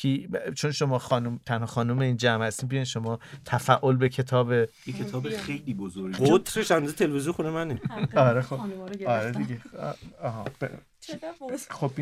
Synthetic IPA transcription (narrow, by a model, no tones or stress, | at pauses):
it͡ʃʰonʃo̞mɒːxɒːnumt̪ʰænhɒːxɒːnumeiːnd͡ʒæmhæst̪iːbijɒjnʃo̞mɒːt̪ʰæfæʔo̞lbecʰe̞t̪ʰɒːbejekʰet̪ʰɒːbexejliːbozoɾɡɡiot̪ɾeʃænd̪uzet̪ʰelvizuxunemæneɒɾexoɒɾed̪iɡḛɒːɦɒ̰b̥e | xobi